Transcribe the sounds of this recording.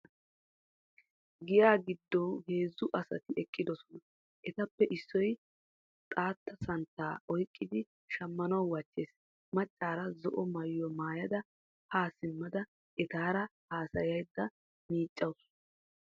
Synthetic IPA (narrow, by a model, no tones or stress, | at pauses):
ɡɪjaːɡɪd̪ːɔwhe̞ːzːʊʔɐsɐ̰t̪ɪʔɛkʼːɪd̪ɔsɔnɐ | ʔɛt̪ɐpːɛʔɪsːɔj | t̪ʼaːt̪ːɐsɐnt̪ːaːɔjkʼːɪd̪ɪ | ʃɐmːɐnɐwwɐt͡ʃːeːs | mɐt͡ʃʼːaːɾɐzɔʔɔmɐjːɔmaːjɐd̪ɐ | haːsɪmːɐd̪ɐ | ʔɛt̪aːɾɐhaːsɐjɐjd̪ːɐ | miːt͡ʃʼːɐws